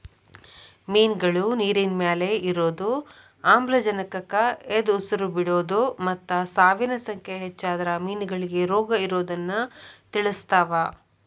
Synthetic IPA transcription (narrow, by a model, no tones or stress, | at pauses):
miːnɡɐɭuniːɾinmjaːleiɾoːd̪u | aːmblɐd͡ʒɐnɐkɐkɐed̪usɐɾubiɽoːd̪umɐt̪ːɐsaːʋinɐsɐŋkʰeɦɛt͡ʃːaːd̪ɐɾɐmiːnɡɐɭiɡeɾoːɡɐiɾoːd̪ɐnːɐt̪iɭust̪aːʋa